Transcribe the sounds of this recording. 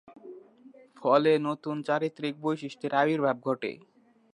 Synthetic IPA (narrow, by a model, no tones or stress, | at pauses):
fɔlenot̪unt͡ɕaɾit̪ːɾik̚bojʃiʃʈeɾabiɾbʱab̚ɡʱɔʈḛ